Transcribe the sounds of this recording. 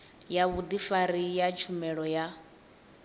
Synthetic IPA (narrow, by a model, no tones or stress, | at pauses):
jaβud̪ifaɾijat͡ʃʰumɛɺɔja